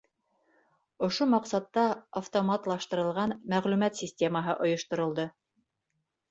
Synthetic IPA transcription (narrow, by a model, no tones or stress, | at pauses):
ŏʃomɑqsɑt̪ːɑɐft̪omɑt̪lˠɑʃt̪ɤ̆ɾɤ̆lˠʁɑnmæʁlʉmæt̪sʲisʲtʲe̞məɦɤʔŏjŏʃt̪ŏɾɤ̆lˠd̪ɤ